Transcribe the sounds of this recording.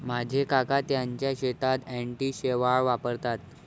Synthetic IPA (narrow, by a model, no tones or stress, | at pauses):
m̤ad͡ʑʱekakat̪jaɲt͡ɕjaɕet̪at̪ɛɳʈiːɕeʋaɭʋapəɾt̪at̪